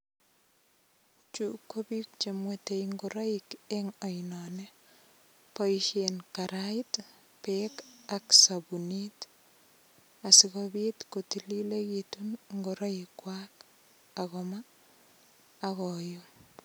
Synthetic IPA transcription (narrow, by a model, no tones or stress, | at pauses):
t͡ʃukːobik̚t͡ʃemwetejŋɡoɾɔikeŋɔjinɔnɛ | pɔiʃenkaɾait | pekaksabunit | asikobit̪kotililekitunŋɡoɾɔikwak | akɔma | akɔjo